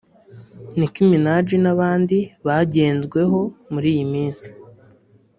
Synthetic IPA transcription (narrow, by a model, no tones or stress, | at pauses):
nikiminad͡ʒinaβaːndiβaɟe̞ːnzɡwe̞ɦo̞muɾiːjimiːnsi̥